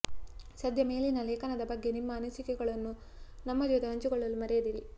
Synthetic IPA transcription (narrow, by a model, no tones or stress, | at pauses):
sɐd̪ʱjɐme̞ːlinɐleːkɐnɐd̪ɐbɐɡːe̞nimːɐːnɐsikɛɡɐɭɐnːu | nɐmːɐud̪ɐɦɐɲt͡ʃuɡɔɭːɐlːumɐɾejɐd̪iɾi